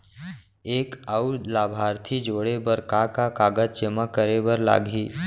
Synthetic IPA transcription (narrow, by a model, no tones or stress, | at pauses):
eːkəulaːbʱaːɾt̪ʰid͡ʒoːɽebəɾkakakaːɡəd͡ʒt͡ʃəməkːəɾebəɾla̰ːɡʱiː